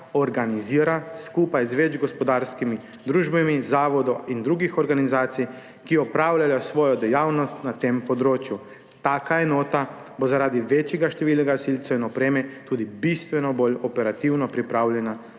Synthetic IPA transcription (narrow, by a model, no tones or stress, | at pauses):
oɾɡaniziːɾaskuːpajzʋɛd͡ʒɡospod̪aːɾskimi | d̪ɾuːʒbamizaːʋod̪oʔind̪ɾuːɡixoɾɡanizaːt̪sij | kiɔpɾaːwlʲajosʋoːjɔd̪ɛjaːwnɔst̪nat̪eːmpod̪ɾoːt͡ʃju | t̪aːkaenoːt̪a | bozaɾaːd̪iʋet͡ʃjɛɡaʃt̪ɛʋiːlnɛɡasilʲt̪sainɔpɾeːmɛt̪uːd̪ibist̪ʋɛnɔboʎopɛɾat̪iwnɔpɾipɾaːwlɛna